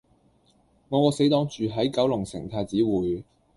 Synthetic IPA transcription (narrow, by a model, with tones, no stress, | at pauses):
ŋɔː˨˧kɔː˨˧˥se˨˥jt̪ɔː˥ŋt͡ʃyː˨ɦɐ˨˥jkɐ˨˥wlʊ˨˩ŋsɪ̰˨˩ŋt̪ʰaː˧t͡siː˨˥wuː˨j